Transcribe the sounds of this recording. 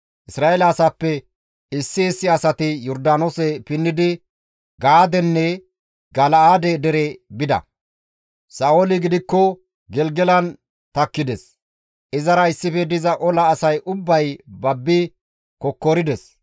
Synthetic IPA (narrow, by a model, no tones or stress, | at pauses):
ʔɪsɾaːelɐːsapːɛ | ɪsːɪɛsːɪɐsɐt̪ɪjɔɾd̪aːnosɛpɪnːɪd̪ɪ | ɡaːd̪ɛnːɛ | ɡɐlaːd̪ɛd̪ɛɾɛbɪd̪ɐ̰ | saːolɪɡɪd̪ɪkːɔ | ɡɛlɡɛlɐn | t̪ɐkːɪd̪ɛs | ʔɪzɐɾɐɪsːɪfɛd̪ɪzɐʔɔlɐːsɐjʔʊbːɐjbɐbːɪ | kɔkːɔɾɪd̪ɛs